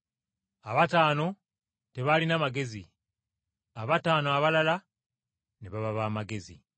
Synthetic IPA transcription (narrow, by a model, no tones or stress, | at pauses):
aβataːno̞ | te̞βalinamaɡe̞zi | aβataːnoaβalala | niβaβaβaːmaɡe̞zḭ